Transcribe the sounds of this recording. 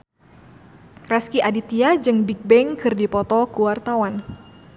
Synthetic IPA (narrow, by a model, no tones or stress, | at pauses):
rɛskiʔadit̪iad͡ʒɨŋbik̚bɛŋkɨrdipɔt̪ɔkuwart̪awan